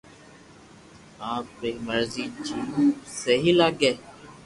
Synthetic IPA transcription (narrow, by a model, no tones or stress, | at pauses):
ãːpɾeːməɾziːd͡ʒinũːseɦiːlaːɡeː